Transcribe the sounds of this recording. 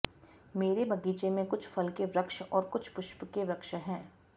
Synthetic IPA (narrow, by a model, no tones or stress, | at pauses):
meːɾebɐɡiːt͡ʃemẽkʊt͡ʃʰfɐlkeʋɾɐkʃʔɔːɾkʊt͡ʃʰpʊʃpkeʋɾɐkʃəɦɛ̃ː